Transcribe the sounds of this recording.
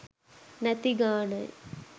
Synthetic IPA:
nɐt̪iɡaːɳɐj

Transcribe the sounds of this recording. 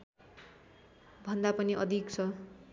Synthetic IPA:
bʱʌnd̪apʌniʔʌd̪ʱikt͡sʰʌ

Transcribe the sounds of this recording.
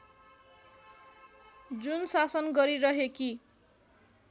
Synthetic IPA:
d͡zunsasʌnɡʌɾiɾʌɦeki

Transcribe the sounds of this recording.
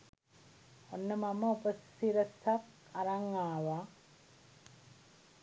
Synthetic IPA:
onːəmaməopəsiɾəsak | aɾaŋːaːʋa

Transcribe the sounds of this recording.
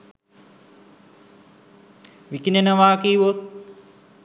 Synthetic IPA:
ʋikinenəʋaːkiːʋot̪̚

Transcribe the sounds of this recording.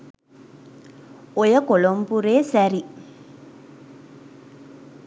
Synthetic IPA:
ɔjɐkɔlombuɾeːsɐɾi

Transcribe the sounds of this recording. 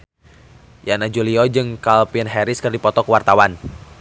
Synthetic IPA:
janad͡ʒuliɔd͡ʒɨŋkalpinɦɛɾɪskɨrdipɔt̪ɔkəwart̪awan

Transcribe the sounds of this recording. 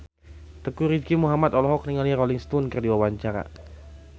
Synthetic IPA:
t̪əkuɾidkimuɦamat̪ɔlɔɦɔk̚niŋalirɔliŋst̪unkɨrdiwawaɲt͡ʃaɾa̰

